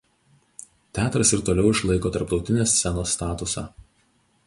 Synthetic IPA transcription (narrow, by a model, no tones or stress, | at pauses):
t̪ʲæːt̪ɾɐsɪɾt̪oːlʲɛʊɪʃlˠɐɪkoːt̪ɐɾpt̪ɒʊt̪ʲɪnʲeːsːʲɛnoːst̪ɑːt̪ʊsɑ̰ː